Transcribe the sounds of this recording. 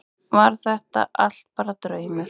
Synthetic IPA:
vaɾ̥θɛht̪a̰ʔal̥t̪̚paːɾat̪ɾœːɥmʏ

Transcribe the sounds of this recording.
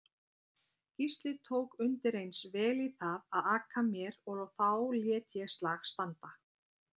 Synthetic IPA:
cist̪lɪt̪ʰoːwkʏnt̪ɪɾejnsvɛːliθaðaðaːkʰamjɛɾɔɣɔwθawljɛːt̪jɛst̪laːxst̪ant̪a

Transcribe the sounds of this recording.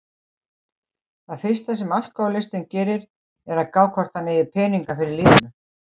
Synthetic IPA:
θaðfɪ̥st̪asɛmal̥kawlɪst̪ɪncɛːɾɪɾ | ɛɾaðkaːwkʰvɔr̥t̪anɪːðɪpʰɛːniŋkafɪɾɪɾliːmɪnʏ

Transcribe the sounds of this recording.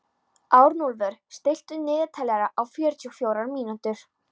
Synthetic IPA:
aːwɾnulvœɾ̥st̪ɪjl̥t̪ʏnɪːɣɪt̪ʰajlɛɾaʔawfjœːɾt͡ɕ̪ʏxfjoːwɾaɾmiːnant̪ʏɾ̥

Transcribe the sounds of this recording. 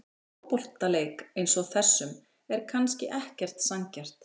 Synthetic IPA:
ɔpɔl̥t̪aleːjkejnsɔaθɛsːʏm | ɛɾkʰanscɪʔɛhcɛr̥t̪saŋcɛr̥t̪

